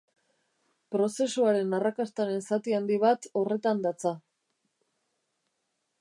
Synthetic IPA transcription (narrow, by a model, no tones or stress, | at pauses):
pɾo̞se̞suaɾe̞narakast̪aɾe̞nsat̪iand̪iβ̞at̪o̞re̞t̪and̪at͡sa